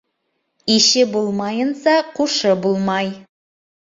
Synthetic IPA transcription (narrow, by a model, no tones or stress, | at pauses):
iʃɪbulˠmɑjənsɑqʰuʃəbulˠmɑj